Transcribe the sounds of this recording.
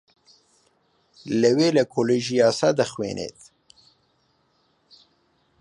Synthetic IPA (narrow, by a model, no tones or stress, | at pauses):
ləweləkʰoleʒiɑːsad̪əxwḛnʔḛt̪